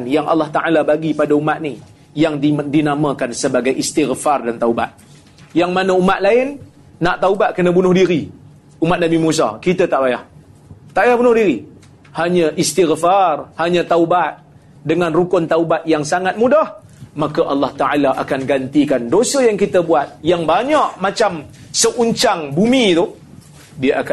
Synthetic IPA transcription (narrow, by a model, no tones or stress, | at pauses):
njaŋʔa̰lːɑht̪aʔalabaɡipadaumat̪̚ni | jaŋdinamãkansəbaɡajʔist̪ɪɣfardant̪auba̰t̪̚ | jaŋmanəumat̪̚laɪnː | aʔt̪aubat̪̚kənə̃bunʊhdiɾi | umat̪̚namimus̬a̰kit̪ət̪aʔbaja̰ht̪aʔbajahbunʊhdiɾi | haɲəʔist̪iɣfarhaɲãt̪aubat̪̚ | dəŋanrukʊnt̪aubat̪̚jaŋsaŋat̪̚mudah | makaʔɑlːɑht̪aʕalaʔakanɡant̪ikandosəjaŋkit̪əbuat̪̚jaŋbaɲaʔmat͡ʃam | səʔuɲt͡ʃaŋbumĩt̪u | diəʔak